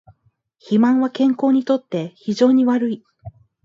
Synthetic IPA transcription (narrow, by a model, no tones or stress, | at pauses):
çimãɰ̃βakẽ̞ŋko̞ːɲ̟it̪o̞t̪ːe̞çiʑo̞ːɲ̟iβaɾɯ̟i